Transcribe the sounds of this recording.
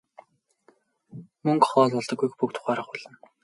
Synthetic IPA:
mɵŋkχɔːɮpɔɮt̪ɞ̆kːujxpuk̚t̪ʰʊ̥χaːɾə̆χʊɮ̥ə̆n

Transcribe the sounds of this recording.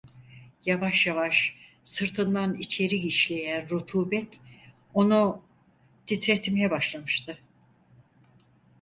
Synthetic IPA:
javaʃjavaʃ | sɯɾt̪ʰɯnd̪anit͡ʃʰe̞ɾiɡiʃlʲe̞jænɾut̪ʰuːbɛt̪ | o̞nu | d̪ʰit̪ɾet̪ʰimjɛbaʃlˠamɯʃt̪ɯ

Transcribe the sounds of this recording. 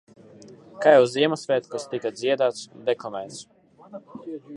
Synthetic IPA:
kajɛwziɛmasvʲɛːt̪kast̪ikad̪ziɛd̪aːt̪sd̪ɛkɔmɛjt̪s

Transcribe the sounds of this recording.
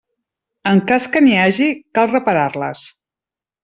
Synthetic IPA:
əŋkaskəniaʒikalˠrəpəɾarlə̰s

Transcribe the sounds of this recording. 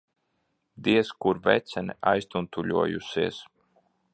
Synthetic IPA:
d̪iɛskuɾvɛ̰t̪sʲɛniajst̪unt̪ulʲuɔjṵsiɛs

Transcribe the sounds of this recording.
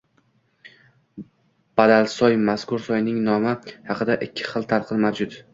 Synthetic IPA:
b̥ad̪alsɒjmaskʊɾsɒjnɪŋnɒmɪhɑqɨd̪aʔɪkʲʰːɪ̥χɨlˠt̪ʰaɾˠqʰɨlmawd͡ʒʊd̪

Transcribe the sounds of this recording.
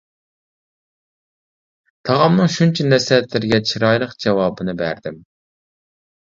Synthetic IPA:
t̪ʰɑʁɑmnɨŋʃunt͡ʃʰɛnɛsɛt̪lɪɾɪɡʲɛt͡ʃʰiɾɑjlˠəqd͡ʒɛwɑːbɨnɨbæɾd̪ɪm

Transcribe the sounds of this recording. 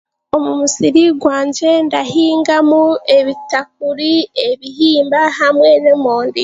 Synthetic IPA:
o̞mumusiɾiɡwaːɲd͡ʒe̞ndahiːŋɡamue̞βitak̚uɾie̞βihiːmbahamwe̞nemoːndi

